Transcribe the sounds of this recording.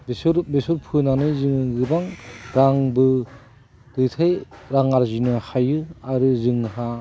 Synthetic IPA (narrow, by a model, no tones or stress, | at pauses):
besɔɾbesɔɾpʰɯnanɯzɯŋɯɡɯbaŋɾaŋbɯ | dɯtʰajɾaŋaɾzinɯhajɯaɾɯzɯŋɦa